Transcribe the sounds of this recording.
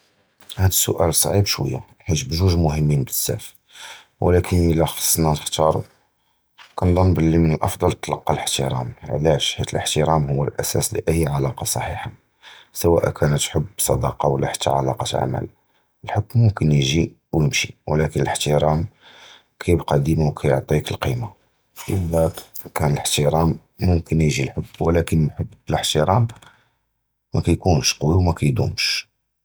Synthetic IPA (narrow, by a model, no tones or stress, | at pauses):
hæd̪əsːʊ̰ʔæ̰ləsˤɑʕibʃwə̰jːa | ħit̪bʒuʒmʊhəmːinbləsːæ̰f | wlækənʔəlːæxɑ̥sˤːnænəxt̪ɑɾˤṵ | kænd̪ˤɑnbəlːimənəlʔɑfd̪ˤɑlt̪ːlɑqːɑləħt̪əɾæ̰m̰ʕlæʃħit̪əlʔəħt̪əɾæmhʊwːəlʔæsæ̰slḭʔəjːʕalɑqɑsˤɑħiħa | səwæʔkʰænət̪ħəbːsˤɑd̪ɑqɑwəlːæħḁt̪ʰːæ̰ʕa̰lɑqɑt̪ʕa̰mæ̰l | əlħokːmːʊmkənjʒi | wjəmʃiwlækənələħt̪əɾæm | kʰæjbqɑd̪imawkʰæjoʕt̪ˤikəlqima | ʔəlːækænələħt̪əɾˤæmː | ʊmkənjʒilħʊbːwlækənmħəbːələħt̪əɾæm | mækæjkunʃquwiwmækæjd̪ṵmʃ